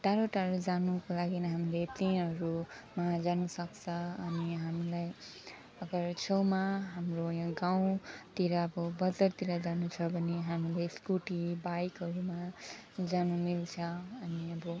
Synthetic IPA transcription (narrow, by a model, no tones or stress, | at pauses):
ʈaɾoʈaɾod͡zanukolaɡinaɦamilet̪inɦʌɾumad͡zanusʌkt͡sʰʌʌniɦamilaj | ʌɡʌɾt͡sʰʌwmaɦamrojãɡaw̃t̪iɾaʌbʌbʌd͡zʌrt̪iɾʌd͡zanut͡sʰʌbʱʌneɦamileskuʈibajkɦʌɾumad͡zanumilt͡sʰʌʌniʌbʌ